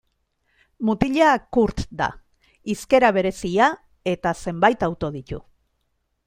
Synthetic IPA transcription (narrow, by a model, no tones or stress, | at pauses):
mut̪iʎakuɾt̪d̪a̰ | iske̞ɾaβ̞e̞ɾe̞sia | e̞t̪ase̞mbajt̪awt̪o̞ðit̪ṵ